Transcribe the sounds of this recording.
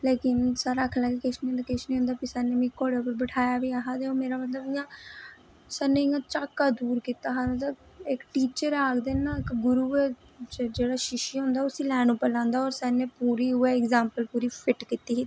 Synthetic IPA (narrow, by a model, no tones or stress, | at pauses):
leːkɪnsaːɾaːkʰlaɡeːkɪʃniːɦond̪aːkɪʃnĩːɦʊ̃ːnd̪aːpiːsɛːnẽːmĩkoːɽepəɾbəʈʰaːjaːʋiːaːɦaːt̪eoːmeːɾaːmət̪ləbɪãː | sɛːnẽɪjãːt͡ʃaːkːaːd̪uːɾkiːt̪aːɦãːt̪ə | ɪkʈiːt͡ʃəɾaːkd̪eːnãːɪkɡʊɾuːe | t͡ʃd͡ʒeːɽaːʃɪʃiːɦʊ̃ːnd̪aːʊsĩːlɛːnũːpəlãːnd̪aːɔːɾsɛːneːpuːɾiːɦʊeɪkzaːmpəlpuːɾiːpʰɪʈkiːt̪iːi